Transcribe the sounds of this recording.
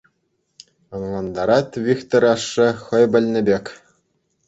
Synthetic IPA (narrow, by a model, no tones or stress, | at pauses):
ɤ̆ŋlˠɑnd̪ɑɾɑt̪vʲikt̪oɾʲɑʂːɘ̆χɤ̆jbʲɘ̆lʲnʲɘ̆bʲekʲ